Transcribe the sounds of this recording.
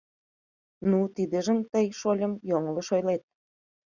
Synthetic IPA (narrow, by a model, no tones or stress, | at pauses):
nut̪id̪eʒə̆mt̪əjʃolʲə̆mjoŋə̆ləʃojlet̪̚